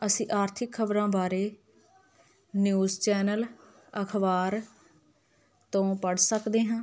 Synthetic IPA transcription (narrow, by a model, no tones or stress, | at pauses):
əsĩːʔaːɾt̪ʰɪkʰːəbɾãːbaːɾeː | njuːzt͡ʃɛːnəl | əkʰbaːɾ | t̪õːpəɽsəkd̪eːɦãː